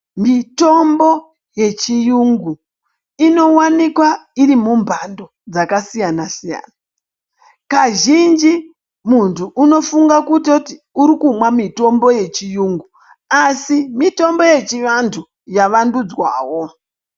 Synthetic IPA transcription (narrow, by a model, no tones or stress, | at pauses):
mito̞mbo̞ | je̞t͡ʃijuŋɡu | ino̞wanikwaiɾimumbʱando̞d͡zakasijanasija̰ːna | kaʒind͡ʒi | muntʰuʔːno̞fuŋɡakutoti | uɾikumwamito̞mbo̞je̞t͡ʃijuŋɡu | asimito̞mbo̞je̞t͡ʃiʋantʰu | jaʋandud͡zwa̰ːwo̞